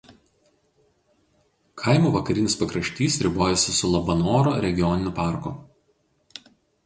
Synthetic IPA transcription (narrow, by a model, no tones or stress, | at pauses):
kʰɐɪmuːʋɐkɐɾʲɪnʲɪspɐkɾɐʃʲt̪ʲiːsɾʲɪboːjɛsʲɪsʊlˠɐbɐnoːɾoːɾʲɛɡʲɪjɔnʲɪnʲʊpɑˑɾkʊ̰